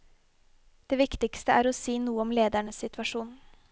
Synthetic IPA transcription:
d̪̥eːʋɪkt̪ɪkst̪əæːɾɔsiːnuːəɔmleːd̪æɳəsɪt̪ʋɑʂuːnn̩

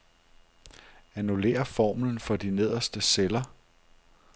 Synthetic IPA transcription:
ænule̝̰ːɐfɒ̰ːmln̩fɒ̽d̥ine̝ð̞̰ˠɐsd̥əselɐ

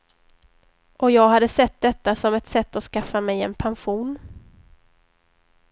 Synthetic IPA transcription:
ʔɔjɑːɡɦad̪ːəsɛt̪̚ːd̪ɛt̪ːasɔmɛt̪sɛt̪ːɔskafːamɛjɛnpʰanɧuːn

